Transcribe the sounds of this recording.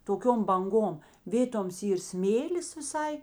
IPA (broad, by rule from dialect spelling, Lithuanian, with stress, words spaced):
toːˈkʲoːm bɐŋˈɡoːm ˈʋʲeːtoːms ˈiːr ˈsʲmʲeːlʲɪs ʋʲɪˈsɐɪ